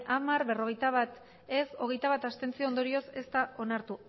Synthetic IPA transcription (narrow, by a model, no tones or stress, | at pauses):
ʔamaɾβe̞ro̞ɣejt̪aβ̞at̪ | e̞so̞ɣ̞e̞jt̪aβat̪ast̪e̞nt͡siond̪o̞ɾio̞se̞st̪ao̞naɾt̪u